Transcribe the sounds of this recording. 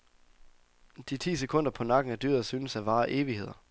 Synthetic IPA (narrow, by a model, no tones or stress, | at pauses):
d̥it͡sʰḭːsekʰɔ̽n̰d̥ɐpʰɒ̽nɑ̈ɡ̥n̩æd̥y̰ːɐ̰ðˠsyːnəsæʋɑ̈ːʔe̝ːʋihe̝ð̞̰ˠɐ